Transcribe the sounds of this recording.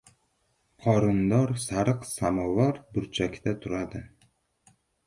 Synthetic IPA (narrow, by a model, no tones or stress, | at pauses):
qʰɒɾɪnd̪ɒɾsaɾɨqsamɒvaɾbʊɾt͡ʃʰakʲd̪at̪ʰʊɾad̪ɪ